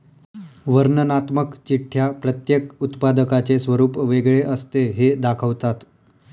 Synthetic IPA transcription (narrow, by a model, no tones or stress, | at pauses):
ʋəɾnənat̪məkt͡ɕiʈʰːjapɾət̪jekut̪pad̪əkat͡sesʋəɾuːpʋeɡɭeʔəst̪eɦed̪akʰəʋt̪at̪